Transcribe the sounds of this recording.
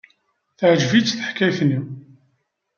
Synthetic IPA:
θəʕd͡ʒvit͡sːθə̥ħkæjθni

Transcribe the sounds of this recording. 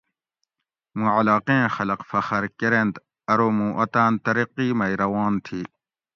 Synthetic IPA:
mũʕɐlaːqẽːxɐlɐqfɐxɐɾkeɾend̪ | ɐɾoːmũːʔɐt̪ãːnt̪ɐɾiqːiːmɐiɾɐwɑːnt̪ʰiː

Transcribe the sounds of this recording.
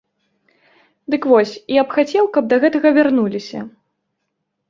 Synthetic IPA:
d̪ɨkvɔsʲijapxat͡sʲɛwkɐb̚d̪ɐɣɛt̪ɐɣɐvʲarnulʲisʲɐ̰

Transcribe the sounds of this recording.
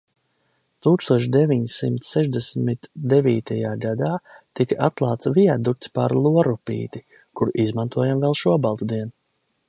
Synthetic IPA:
t̪uːkst̪uɔʃ̬d̪ɛviɲsimt̪ssɛʒd̪ɛsmit̪d̪eviːt̪ajaːɡad̪aːt̪ikaʔat̪lˠaːt̪sviɛd̪uk̚t̪spaɾlˠuɔɾupḭːt̪i | kuɾʔizmant̪uɔjamvɛːlˠʃuɔbalˠt̪ud̪iɛn

